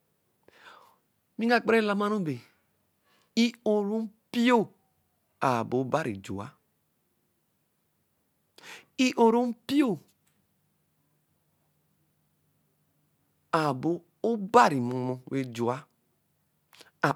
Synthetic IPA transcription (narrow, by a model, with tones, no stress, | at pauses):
mĩ˦ŋa˦˨k͡pe˦ɾe˦la˦ma˦no˦be˨ | i˦o˨ɾu˦m˦pi˦o˦ | a˨bo˨˦ba˦ɾḭ˨d͡ʒo̰˨a̰˦ | i˦ʔo˨ɾo˦m˦pi˦o˦˨ | a˨bo˨ | o˦ba˦ɾi˨mu˨mo˦we˨d͡ʒu˨a˦ | a˨